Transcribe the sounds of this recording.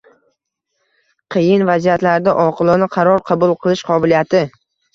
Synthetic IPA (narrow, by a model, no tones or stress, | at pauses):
qʰɨjɪnvazijat̪laɾd̪aʔɒqʰɨlˠɒnɪqʰɑɾɒɾqʰɑbʊlˠqʰɨlˠɪʃqʰɒbɪlijat̪ɪ